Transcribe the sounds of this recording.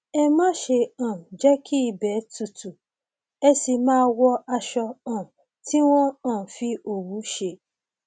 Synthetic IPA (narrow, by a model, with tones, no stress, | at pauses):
ɛ˧mã˦ʃe˧ã˨d͡ʒɛ˦ki˦i˧˨bɛ˨˦tu˧˨tu˨ | ɛ˧si˧mãː˦wɔ˦a˧ʃɔ˧ã˨ | ti˦w̃ɔ̃˦ã˦˨fi˧o˨wu˨˦ʃe˧˨